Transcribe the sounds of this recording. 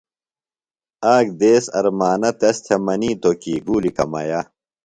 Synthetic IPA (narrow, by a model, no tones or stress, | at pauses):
aːkd̪eːsɐ̰ɾmaːnɐt̪ɐst̪ʰemɐniːt̪okiːɡuːlikɐ̰mɐ̰jaː